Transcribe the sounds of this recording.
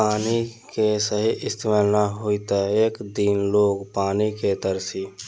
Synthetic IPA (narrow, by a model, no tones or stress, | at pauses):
aːnikesəɦiʔɪst̪ʰiməlnaɦuit̪əeːkd̪inloːɡpaːniket̪əɾsi